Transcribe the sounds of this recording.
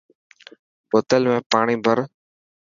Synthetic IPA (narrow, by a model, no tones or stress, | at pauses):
poːt̪əlmẽːpaːɳ̃iːbʱəɾ